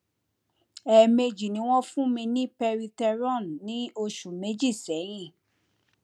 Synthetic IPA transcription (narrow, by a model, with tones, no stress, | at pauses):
ɛ˨me˧d͡ʒi˨nĩ˨˦w̃ɔ̃˦fũ˦mĩ˧nĩ˦pɛ˧ɾi˧tɛ˧ɾɔ̃˦˨nnĩ˨˦o˧ʃu˨me˨˦d͡ʒi˦˨sɛ˨˦j̃ĩ˦˨